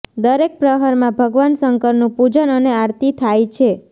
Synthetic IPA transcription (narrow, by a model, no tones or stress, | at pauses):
d̪əɾek̚pɾəɦaɾmãbʱəɡʋansəŋkəɾnũpud͡ʒənəneaɾt̪it̪ʰajt͡ʃʰe